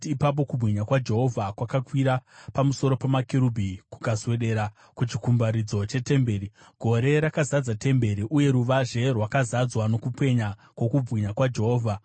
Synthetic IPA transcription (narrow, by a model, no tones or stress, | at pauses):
pap̬o̞kubʱɣiɲakwad͡ʒe̞ɦo̞vʱakwakakwiɾapamuso̞ɾo̞pamakeɾubʱiku̥kazwe̞ɗe̞ːɾa | kut͡ʃikumbaɾid͡zo̞t͡ʃe̞te̞mbe̞ːɾi | ɡ̥ʱo̞ɾe̞ɾakazad͡zate̞mbe̞ɾiʔuje̞ɾuʋaʒe̞rwakazad͡zwano̞kupe̞ɲakwo̞kub͡vɣiɲakwad͡ʒe̞ɦo̞ːvʱa